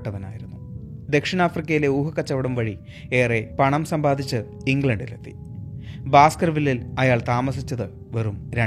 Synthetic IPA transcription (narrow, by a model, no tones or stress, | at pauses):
ʈːɐʋɐna̰ːjiɾunːu | d̪e̞kʂinaːfrikʲːɐjile̞uːɦɐkːɐt͡ɕːɐʋɐɽɐmʋɐɻi | e̞ːrepɐɳɐmsɐmbaːd̪ʱit͡ɕːɨ | iŋɡɭɐɳɖilet̪ːi̥ | baːskɐrʋilːilɐjaːɭt̪aːmɐsit͡ɕːɐðɨ | ʋɐrumɾɐ